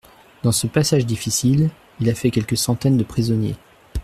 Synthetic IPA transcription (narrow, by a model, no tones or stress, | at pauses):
d̪̥ɑ̃səpasaʒd̪ifisil | ilafɛkʲɛlkəsɑ̃t̪ɛnd̪əpχizɔnjḛ